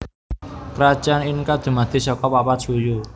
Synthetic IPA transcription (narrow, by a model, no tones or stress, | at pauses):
kɾḁd͡ʒaninkad̪̥ṳmad̪̥i̤sɔkɔpapat͡ʃuju